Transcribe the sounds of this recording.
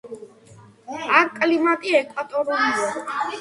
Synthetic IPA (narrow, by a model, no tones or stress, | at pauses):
akʼlimat̪ʼiɛkʼwat̪ʼɔɾuliɔ